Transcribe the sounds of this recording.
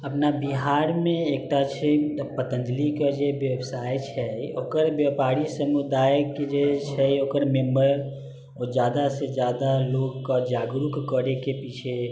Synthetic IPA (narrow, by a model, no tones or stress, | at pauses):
əpnabiɦaːɾmẽeːk̚ʈat͡ʃʰepət̪ə̃nd̪likad͡ʒeʋjəbsaːjt͡ʃʰɛoːkəɾbjəpaːɾisəmud̪aːjked͡ʒet͡ʃʰɛokəɾmẽmbəɾ | ɔd͡ʒjaːd̪ased͡ʒjaːd̪aloːɡkad͡ʒaːɡɾukkəɾekepit͡ʃʰe